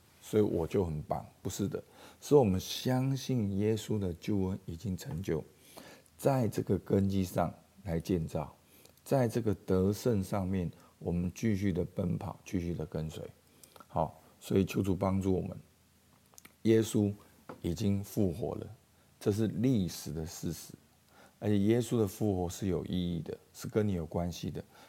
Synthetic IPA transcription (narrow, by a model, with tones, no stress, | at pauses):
swɔ˧˥ḭ˨wʔɔ˨˩t͡ɕjo˥˩ʊxə˨˩npɑ̰˨˩˦ŋpu˧˥ʂɻ̩˥˩d̪ə̰˩s̩˧˥wɔ˨˩mə˦nɕjɑ˥ŋɕi˥˩njɛ˥su˦d̪ə˨t͡ɕjo˥˧ʊə˦ni˨˩t͡ɕi˦ŋʈ͡ʂʰə˧˥ŋt͡ɕjo˥˩ʊ | t͡sa˥˧ɪʈ͡ʂɤ˥˩ɡə˩kə˦nt͡ɕi˥ʂɑ̰˥˩ŋla˧˥ɪt͡ɕjɛ˥˧nt͡sɑ˥˩ʊ | t͡sa˥˧ɪʈ͡ʂɤ˥˩ɡə˩t̪ə˧˦ʂə˥˧nʂɑ˥˧ŋmjɛ˥˩n | wɔ˨˩mə˦nt͡ɕy˥˧ɕ̬y˥˩d̪ə˩pə˦˥npʰɑ˨˩˦ʊt͡ɕy˥˧ɕy˥˩d̪ə˩kə˦nswḛ˧˥ɪ | xɑ˨˩˦ | swɔ˧˥i˨˩t͡ɕʰjo˧˥ʊʈ͡ʂu˨˩pɑ˥ŋʈ͡ʂu˥˩wɔ̰˨˩mə̰˦n | jɛ˦su˥˦ | i˨˩t͡ɕi˦˥ŋfu˥˩xwɔ̰˧˥lə̰˨ | ʈ͡ʂɤ˥˧ʂ̬ɻ̩˥˧li˥˩ʂɻ̩˨˩d̪ə˦ʂɻ̩˥˩ʂɻ̩˧˦ | ə˧˥t͡ɕʰjɛ˨˩jɛ˦su˥d̪ə˨fu˥˩xwɔ˧˥ʂɻ̩˥˩jo˨˩ʊʔi˥˧i˥˩d̪ə˩ʂɻ̩˥˩kə˧˦ni˨˥jo˨˩ʊkwa˦nɕi˨d̪ə˨